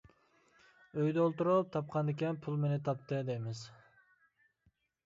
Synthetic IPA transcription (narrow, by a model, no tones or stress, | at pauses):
øjd̪ɛolˠt̪uɾup̚t̪ʰɑp̚qʰɑnd̪ɪkʲɛnpʰulˠmenɪt̪ʰɑp̚t̪ɨd̪emɪz